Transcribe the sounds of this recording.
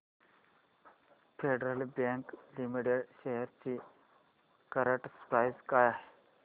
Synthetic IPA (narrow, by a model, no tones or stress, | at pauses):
feɖɾəlbẽŋklimiʈeɽɕeɦəɾt͡ɕi | kəɾəʈspɾajzkajaɦe